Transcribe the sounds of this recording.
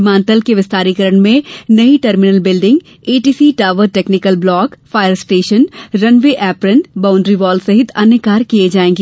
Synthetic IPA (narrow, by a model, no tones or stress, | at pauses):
mãːnt̪əlkeʋɪst̪aːɾikəɾəɳmẽnɐiʈəɾmɪnəlbɪlɖɪ̃ŋɡ | eːʈiːsiʈaːʋəɾʈeːknɪkəlblɔːkfʰaːjəɾsʈeːʃənɾɐnʋeʔɛːpɾənʈbãːʊ̃ɳɖɾiʋɔːlsɐɦɪt̪ʰɐnəkaːɾkied͡ʒaːẽːŋɡe